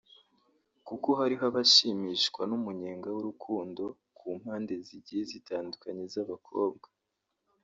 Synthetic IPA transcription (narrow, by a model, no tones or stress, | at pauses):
kukoɦaɾiɦaβaʃiːmiʃkwanumuɲeːŋɡawuɾukʰuːndo̞ | kʰuːm̥haːnde̞ziɟihezitaːndukaɲe̞zaβakʰo̞̰ːb̚ɡa